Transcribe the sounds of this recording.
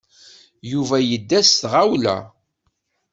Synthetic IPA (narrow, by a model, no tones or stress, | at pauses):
juvæjəd̪ːæsθʁawlæ̰